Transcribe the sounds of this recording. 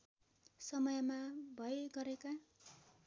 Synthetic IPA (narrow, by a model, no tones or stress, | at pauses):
sʌmʌjmabʱʌjɡʌɾeka